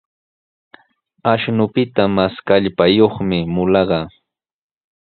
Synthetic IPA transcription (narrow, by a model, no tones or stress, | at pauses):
aʃnʊpɪt̪amaskaʎpajoχmɪmʊlɑɢɑː